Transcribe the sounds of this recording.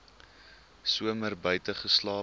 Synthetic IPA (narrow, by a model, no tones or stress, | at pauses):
suəmərbœɥtəχəslɑː